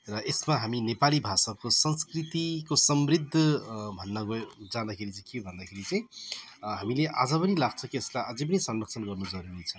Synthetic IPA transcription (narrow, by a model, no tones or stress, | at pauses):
rʌesmaɦaminepalibʱasakosʌnskɾit̪ikosʌmɾid̪ʱːʌbʱʌnːʌɡod͡zand̪akʰeɾit͡saj̃kiobʱʌnd̪akʰeɾit͡sʌj̃ | ɦamileʔa̰d͡zʌpʌnilaɡ̚t͡sʰʌkieskaʔad͡zẽpʌnisʌnrʌk̚sʰʌnɡʌrnud͡zʌɾuɾit͡sʰʌ